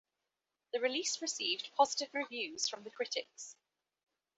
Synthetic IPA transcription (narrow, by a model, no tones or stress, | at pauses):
ðəɹɪliˑsɹɪsiːvdpʰɒzɪtɪvɹɪvjʉːz̥fɹə̃mðəkʰɹ̥ɪtʰɪks